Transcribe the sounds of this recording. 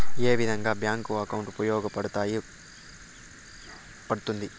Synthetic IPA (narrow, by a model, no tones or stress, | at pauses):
eːʋid̪ʱɐŋɡaːbjaːŋkuɐkɐwɳʈpɾɐjɔːɡɐpɐɽut̪aːji | pɐɽut̪und̪i